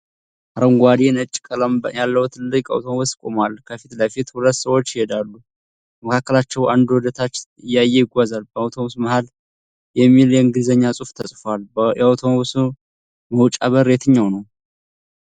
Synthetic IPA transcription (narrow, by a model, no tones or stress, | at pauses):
ʔaɾəŋɡʷad̪enət͡ʃʼːkʼələmjalːəwut̪ʰɨlːɨkʼa̰wt̪ʰomoβuskʼo̞malkʰəfit̪ləjfit̪hulət̪ːsəwo̞t͡ʃːjɪhed̪alːu | məkʰakːəlat͡ʃːɛwʔand̪wɔd̪ət̪ʰat͡ʃːɨjːajːejɪɡʷazalbəawt̪ʰoβusməhal | jɛmːiljɛɨŋɡɨd̪zəɲːasʼuft̪ʰəsʼfaljɛawt̪ʰomoβus | məwt͡ʃʼaβəɾe̞t̪ʰɨɲːawnəw